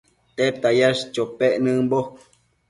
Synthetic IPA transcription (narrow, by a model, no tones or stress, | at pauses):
t̪et̪ajaʃt͡ʃopeʔnɨ̃bok